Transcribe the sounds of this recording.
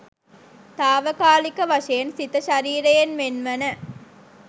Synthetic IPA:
t̪aːʋɐkaːlikɐʋɐʂɐjɐnsit̪ɐʃɐɾiːɾɐjɐnmenʋɐnɐ

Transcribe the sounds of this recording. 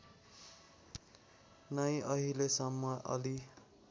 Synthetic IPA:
nʌj̃ʌɦilesʌmːʌʔʌ̰li

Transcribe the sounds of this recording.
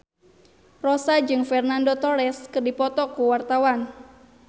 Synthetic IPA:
rosad͡ʒɨŋfɛrnandot̪ɔɾɛskɨrdipɔt̪ɔkuwart̪awan

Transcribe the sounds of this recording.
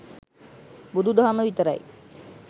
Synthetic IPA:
bud̪ud̪oɦaməʋit̪əɾa̰j

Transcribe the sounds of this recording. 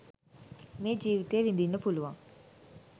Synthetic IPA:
meːd͡ʒiːʋit̪eːʋind̪inːɐpuluʋɐm

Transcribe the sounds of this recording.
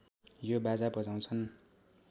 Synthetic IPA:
jobad͡zabʌd͡zaw̃t͡sʰʌn

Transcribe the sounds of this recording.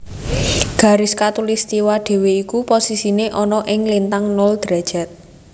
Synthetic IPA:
ɡ̥ä̤ɾɪskat̪ulist̪iwaɖ̪̥e̤weikuposisineʔɔnɔʔɪŋlint̪aŋnɔld̪̥ɾɛd̥ʒ̥ɛt̪̚

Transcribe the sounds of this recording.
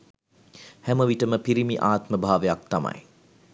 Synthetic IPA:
hɛməʋiʈəməpiɾimiʔaːt̪məbʱaːʋejak̚t̪ama̰j

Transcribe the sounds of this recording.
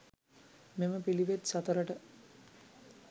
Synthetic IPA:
meməpiliʋet̪sat̪əɾəʈə

